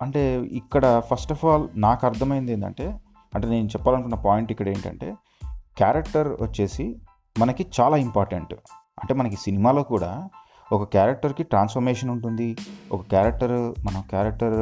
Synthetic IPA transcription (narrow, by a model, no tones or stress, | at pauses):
ɐɳʈe̞ːḭkːɐɽɐpʰɐsʈɐpʰaːlnaːkɐɾt̪ʰɐmɐjind̪eːnd̪ɐ̰ɳʈe̞ː | ɐɳʈe̞ːne̞ːnut͡ʃɛpːaːlɐnkunːɐpaːjiɳʈikːɐɽe̞ːɳʈɐ̰ɳʈe̞̰ː | kjaːɾɐk̚ʈɐɾʋɐ̰t͡ʃːe̞ːsi | mɐnɐkit͡ʃaːlaːimpaːɾʈɐ̰ɳʈ | ɐɳʈe̞ːmɐnɐk̬isinimaːloːkuːɽa̰ː | ɔkɐkjaːɾɐk̚ʈɐɾkiʈɾaːnsfʰɐɾmeːʂɐnuɳʈund̪iɔkɐkaːɾɐk̚ʈɐɾmɐnɐmkjaːɾɐk̚ʈɐɾ